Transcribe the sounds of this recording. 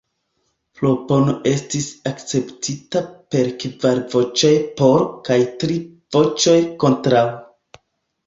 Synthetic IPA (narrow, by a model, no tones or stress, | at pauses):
pɾo̞po̞no̞ʔe̞stisakt͡se̞ptʰitape̞ɾkvaɾvo̞t͡ʃo̞jpo̞ɾkajtɾiv̥o̞t͡ʃo̞jko̞ntɾaw